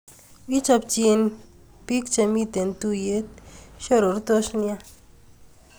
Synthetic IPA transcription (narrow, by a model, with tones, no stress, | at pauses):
wi˦t͡ʃa˧p̚t͡ʃie˦n | pi˦k̚t͡ʃe˨mi˦t̪e˨ntu˦je˨˦t̚ʃo˦ɾo˨ɾt̪o˦ʃnja˦